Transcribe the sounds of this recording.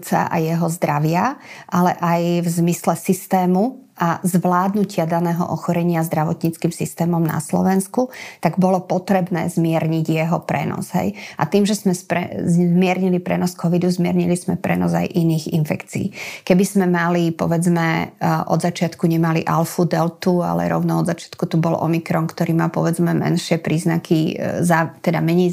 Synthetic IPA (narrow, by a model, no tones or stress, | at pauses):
t͡sa̰ʔa̰jɛɦɔzd̪ɾaʋɪaʔalɛ̰ʔajvzmislɛsist̪ɛːmuazʋlaːd̪nucɪad̪anɛːɦɔ̰ʔɔxɔɾɛɲɪazd̪ɾaʋɔt̪ɲit͡skiːmsist̪ɛːmɔmna̰slɔ̰ʋɛnskut̪aɡbɔlɔpɔt̪ɾɛbnɛ̰ːzmɪɛɾɲiɟjɛɦɔpɾɛ̰nɔ̰zɦɛ̰jʔa̰t̪iːmʒɛzmɛspɾɛ̰mɪɛɾɲilipɾɛnɔskʰɔʋid̪uzmɪɛɾɲilizmɛpɾɛ̰nɔza̰jʔiniːɣḭnfɛkt͡sḭːkɛbizmɛmalipɔ̰ʋɛd͡zmɛʔɔ̰d̪zat͡ʃɪat̪kuɲɛmaliʔalfud̪ɛlt̪ua̰lɛ̰ɾɔ̰ʊnaɔd̪zat͡ʃɪḁt̪kut̪ubɔlʔɔ̰mikɾɔnkt̪ɔɾiːmapɔʋɛd͡zmɛmɛ̰nʃɪɛpɾiːznakʰizat̪ɛd̪amɛɲɛj